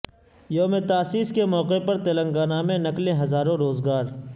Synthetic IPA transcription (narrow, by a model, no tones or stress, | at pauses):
joːmet̪aːsiːskemɔːqepɐɾt̪elə̃ŋɡaːnaːmẽnɐklẽɦɐzaːɾõɾoːzɡaːɾ